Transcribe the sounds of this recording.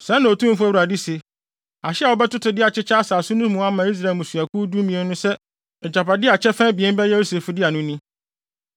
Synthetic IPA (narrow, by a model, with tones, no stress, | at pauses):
sɛ̃˦nã˨o˨tʰũ˦m˦fʊ˦æ˦wu˨ɾa˨di˦se˨ | a˨ɕɪ˦a˨wɔ˦bɛ˦tʊ˦tʰʊ˨dɪ˦a˨t͡ɕʰɪ˦t͡ɕʰa˦saː˨sʊ˦nʊ̃˦mũ˨a˦mã˨˦i˦s̬ɾa˨mũ˨su˨a˨ku˦du˦mĩ˨ɛ̃˦nʊ̃˦sɛ˦ | ɛ˨d͡ʑa˨pa˨dɪ˦a˨t͡ɕʰɛ˦fɛ̃˦bi˨ɛ˦n˦bɛ˦jɛ˦u˦se˨fʊ˨dɪ˦a˨nʊ̃˦nĩ˦